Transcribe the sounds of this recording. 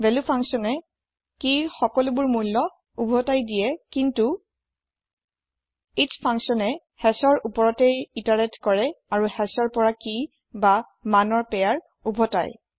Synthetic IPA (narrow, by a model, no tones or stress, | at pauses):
vɛlupʰaŋsɔnɛ | kixɔkɔlʊbʊɹmulːɔ | ubʱɔtajdijɛkintu | itspʰaŋsɔnɛ | hɛsɔɹʔupɔɹɔtejitaɹɛtkɔɹɛaɹuhɛsɔɹpɔɹaki | ba | manɔɹpɛjaɹ | ubʱɔta̰j